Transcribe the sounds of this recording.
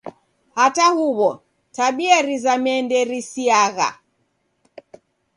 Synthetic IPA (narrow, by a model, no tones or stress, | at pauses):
hatahuβɔ | taɓiaɾizamɛndɛɾisiaɣa̰